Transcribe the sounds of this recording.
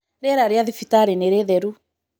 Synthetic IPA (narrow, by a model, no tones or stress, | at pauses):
ɾɛɾaɾiaðifitaɾɛnɛɾɛðɛɾu